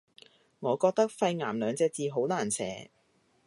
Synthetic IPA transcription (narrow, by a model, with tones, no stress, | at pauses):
ŋɔː˨˧kɔː˧k̚t̪ɐ˥k̚fɐ˧jŋaː˨˩mlœː˨˧ŋt͡sɛː˧t͡siː˧ɦo˨˥wlaː˨˩nsʰɛ̰ː˨˥